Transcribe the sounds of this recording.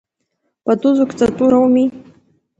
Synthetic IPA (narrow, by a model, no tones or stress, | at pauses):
patʼuzukʰʼt͡sʼatʼuɾawmi